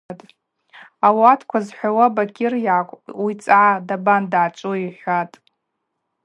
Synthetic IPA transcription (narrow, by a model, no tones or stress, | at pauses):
tʼ | awatʰkʷʰazħʷawabakʲʰʼɪrjaːkʷʼwit͡sʼʕadabandʕat͡ʃʷʼuiħʷatʼ